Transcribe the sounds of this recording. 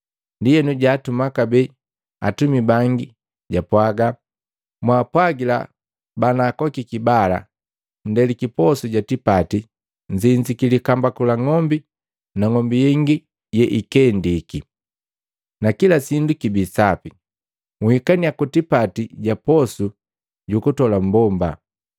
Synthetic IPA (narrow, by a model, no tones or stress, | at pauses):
ndijɛnuɟaːtumakabɛ | a̰tumibaŋɡi | ɟapwaɡa | mwaːpwaɡila̰ | banaːkɔkikibala̰ | n̩dɛlikipɔsuɟatipati | ɲd͡ʒiɲd͡ʒikilikambakulaŋɔmbi | naŋɔmbijɛŋɡi | jɛʔikɛndiki | nakilasindukibisapi | ŋuhikaniakutipatiɟapɔsu | ɟukutɔlam̩bɔmba